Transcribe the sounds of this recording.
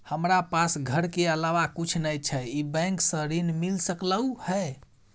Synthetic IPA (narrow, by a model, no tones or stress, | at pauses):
həmɾapasɡʱəɾkeəlaʋakut͡ʃʰnəjt͡ʃʰɛibɛ̃ŋksə̃ɾinmilsəkləuhɛ